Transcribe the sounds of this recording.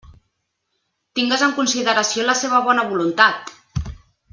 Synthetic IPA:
t̪iŋɡəzəŋkunsiðəɾəsioləseβ̞əβ̞ɔnəβulunt̪at̪

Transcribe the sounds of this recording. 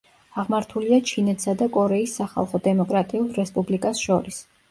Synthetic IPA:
aʁmaɾt̪ʰuliat͡ʃʰinɛt̪ʰsad̪akʼɔɾɛisːaχa̰lˠχɔd̪ɛmɔkʼɾat̪ʼiulˠɾɛspʼublikʼasʃɔɾis

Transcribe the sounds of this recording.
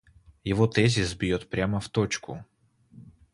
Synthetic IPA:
jɪvot̪ɛzʲɪsbʲjot̪pɾʲaməft̪ot͡ɕkʊ̰

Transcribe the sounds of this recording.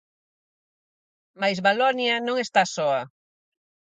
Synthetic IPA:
majzβalɔnjɐnõŋest̪asɔɐ

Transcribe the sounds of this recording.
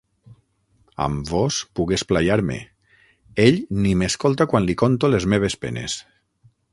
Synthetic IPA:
a̰mbɔspuɣesplaʎaɾmḛ | eʎnimeskolˠt̪akwanlikont̪olezmeβ̞espḛnḛs

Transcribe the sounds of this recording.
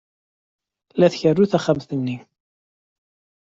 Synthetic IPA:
læθçərːuθæχæmθənːi

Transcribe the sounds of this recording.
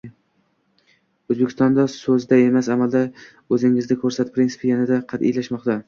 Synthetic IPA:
ɵzbekʲʰɪ̥st̪ɒnd̪asɵzd̪aemasamald̪a | ɵzɪŋɪznɪkʰɵɾsat̪̚pʰɾinsɪ̥pʰɪjanad̪aqʰɑt̪ḭjlaʃmɒqt̪a

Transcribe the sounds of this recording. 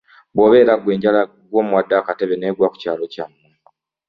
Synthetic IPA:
bwo̞ːβe̞ːɾaɡwe̞ːɲɟala | ɡwo̞ːmuwadːakate̞βe̞neːɡwaku̥caːlo̞camːu

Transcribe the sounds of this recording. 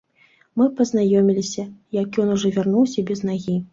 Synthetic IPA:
mɨpɐznajɔmʲilʲisʲɐjakjɔnuʐɔvʲarnuwsʲɐbʲɛznaɣʲi

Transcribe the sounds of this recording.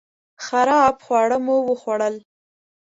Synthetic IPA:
xaɾɑbxwɑɽəmowəxwaɽəl

